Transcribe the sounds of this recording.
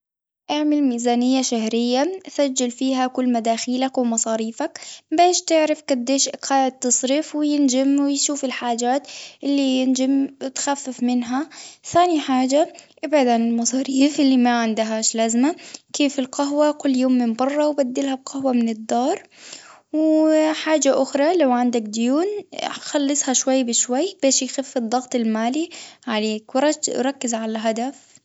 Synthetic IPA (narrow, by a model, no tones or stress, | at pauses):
ʔaʕmɪlmiːzaːnɪjːaʃaɦɾɪjːaʔsad͡ʒːɪlfiːɦakʊlːmad̪aːxiːlakwɪmɑsˤɑːɾiːfakbeːʃt̪ɪʕɾɪfɡad̪ːeːʃʔɪqʰaːʕɪt̪ːɑsˤɾiːfwɪjɪnd͡ʒɪmwɪjʃuːfɪlħaːd͡ʒaːt̪ʔɪlːijɪnd͡ʒɪmwɪt̪xafːɪfmɪnɦaθaːniħaːd͡ʒaʔɪbʕad̪ʕanɪlmɑsˤɑːɾiːfʔɪlːimaʕɪnd̪aɦaːʃlazmakʰeːfɪlqɑɦwakʊlːjoːmːɪmbɑrˤːɑwbad̪ːɪlhab̚qɑhwamɪnɪd̪ːɑːɾˤ | wħaːd͡ʒaʔʊxɾˤɑlawʕɪnd̪ak̚d̪ʊjuːnxɑlːɨsˤhɑʃwajːbɪʃwajːbeːʃjxafːɨd̪ˤːɑɣt̪ˤɪlmaːliʕaleːkwɾˤɑɾˤɑkːɪzʕalalɦad̪af